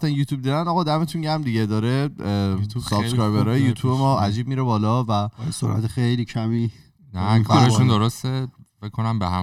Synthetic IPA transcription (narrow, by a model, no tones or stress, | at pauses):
t̪ænjuːt̪ʰuːb̚d̪id̪ænɒɣɒːd̪æme̞t̪ʰunɟæɾmd̪iɟed̪ɒːɾe | sɒbsskkɾɒjbeɾɒːjejuːt̪ʰuːbemɒːʔæd͡ʒiːb̚miːɾebɒːlɒːvæso̰ɾʔæ̰t̪ʰexejlicʰæmi | nækʰːɾʃund̪oɾost̪efekʰːonæmbeɦæ